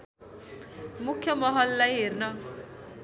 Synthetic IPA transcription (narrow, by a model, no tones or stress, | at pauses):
mukʰjɔmɔɦɔlːajeɾna